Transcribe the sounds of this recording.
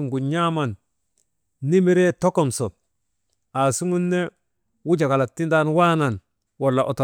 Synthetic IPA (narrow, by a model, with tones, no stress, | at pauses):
ŋɡu˨ɲɲa˦ma˨n | i˦mi˦ɾe˦to˦ko˨mso˨ | a˨su˦ŋu˦nːe˦ | wu˦d͡ʒa˨ka˨la˨tːi˦nda˦nwa˦na˨n | wa˨lːa˨ʔo˨to˨